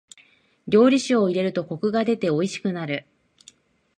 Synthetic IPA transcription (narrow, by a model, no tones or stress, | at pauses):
ɾʲo̞ːɾʲiɕioiɾe̞ɾɯ̟t̪o̞ko̞kɯ̟ɡad̪e̞t̪e̞o̞iɕi̥kɯ̟naɾɯ̟